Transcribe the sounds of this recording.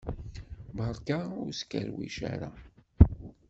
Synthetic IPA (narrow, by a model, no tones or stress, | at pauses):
bɑɾˤkaʊɾskːæɾwiʃa̰ɾa